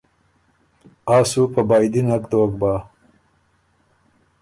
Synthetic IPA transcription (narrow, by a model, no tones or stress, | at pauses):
ɑːsupəbɑjd̪inakd̪əwak̚bɑː